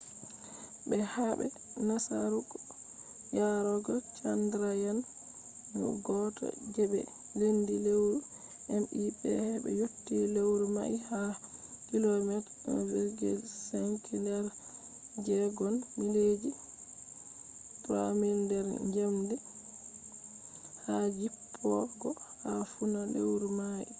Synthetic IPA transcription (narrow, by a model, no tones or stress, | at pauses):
bɛhabɛ̰ | nasa̰ɾuk | jaɾɔɡɔt͡ʃandɾajan | nṵɡɔtʰɔ̰d͡ʒɛbɛ̰ | lendilewɾu | ɛnɗibɛ̰hɛbɛ̰jotːilewɾuma̰ʔihakilɔmɛt | vɛɡɛ̰lsɛŋkʰilɛɾ | d͡ʒɛɡɔnmiled͡ʒi | pɾamildɛɾɲd͡ʒɛmdɛ | had͡ʒipʰːɔɡɔhafunalewɾumaʔḭ